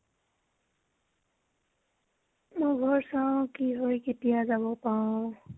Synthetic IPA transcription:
moɡʱɔɾsʌ̃kiɦojkitijad͡ʒabɔpã

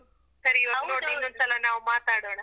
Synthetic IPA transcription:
sɐɾiʋɐnoːɽinːond̪sɐlɐnaːʋumaːt̪aːɽoɳa

